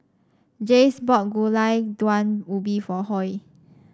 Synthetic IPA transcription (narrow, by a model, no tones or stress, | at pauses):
d͡ʒesbɔt̚ɡulajdwãnubifɔhɔj